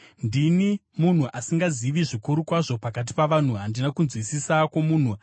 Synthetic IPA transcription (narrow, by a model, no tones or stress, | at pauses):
ndinimun̤uʔasiŋɡaziʋiʐikuɾukwaʐo̞pakat̬i̥paʋan̤uɦandinakunzwisisakwomuːn̤u